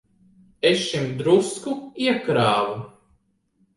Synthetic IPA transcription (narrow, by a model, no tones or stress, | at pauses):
esʃimd̪ɾuskuiɛkɾaːvu